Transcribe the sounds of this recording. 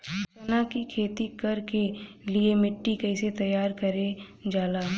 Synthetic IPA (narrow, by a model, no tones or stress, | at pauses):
ɐnakikʰeːt̪ikɐɾkeliemɪʈːikɐɪset̪ɐjaːɾkɐɾed͡ʒaːlaː